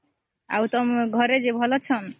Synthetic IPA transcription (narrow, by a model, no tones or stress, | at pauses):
a̰wt̪ʌmɡʱʌɾed͡ʒebʱʌlɔt͡ʃʰʌn